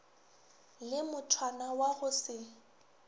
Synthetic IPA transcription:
lɪmʊtʰwanawaɣʊsɪ

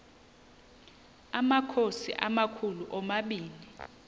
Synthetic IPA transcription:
amakʰosḭʔamakʰuluʔɔmaɓiːli

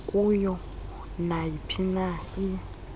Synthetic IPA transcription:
kʼujɔ | najipʰinai

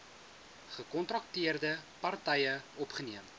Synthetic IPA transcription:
χəkɔntrɐktiərdəpɐrtɛjəɔpχəniəm

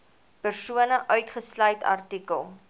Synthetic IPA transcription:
pərsuənəʔœɥtχəslœɥtɐ̰rtikəlˠ

